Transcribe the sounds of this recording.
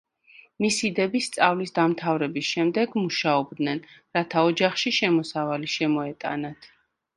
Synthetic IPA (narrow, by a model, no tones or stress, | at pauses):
misid̪ɛbist̪sʼavlisd̪amt̪ʰavɾɛbisʃɛmd̪ɛɡmuʃaɔbd̪nɛnɾat̪ʰaɔd͡ʒaχʃiʃɛmɔsavaliʃɛmɔɛt̪ʼa̰nat̪ʰ